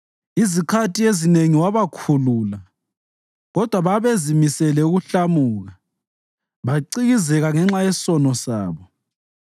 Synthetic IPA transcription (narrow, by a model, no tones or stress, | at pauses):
izikʰatʼiezineŋiwaβakʰulula | ɣɔd̥ʱwaβaβezimisɛlɛuɣuɬamuːɣa | βaǀiɣizɛɣaŋɛŋ͡ǁajessɔnɔsa̰ːβɔ